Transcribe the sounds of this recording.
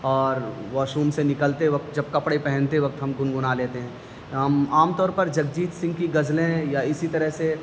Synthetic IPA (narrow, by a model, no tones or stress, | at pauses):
ɔːɾʋɔːʃuːmsenɪkəlt̪eʋɐk̚t̪̚d͡ʒɐb̚kɐpɽepɛɦɛ̃nt̪eʋɐk̚t̪ɦɐmɡʊnɡʊnaleːt̪eɦɛ̃ː | ɦɐmaːmt̪ɔːɾpɐɾd͡ʒɐɡ̚d͡ʒiːt̪sɪ̃ŋɡkiɡɐzlẽjaɪsit̪ɐɾəɦse